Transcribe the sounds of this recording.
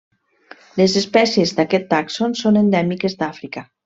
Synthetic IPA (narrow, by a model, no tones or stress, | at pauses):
lezespɛsiezd̪akɛt̪ːaksonsonend̪ɛmikezd̪afɾika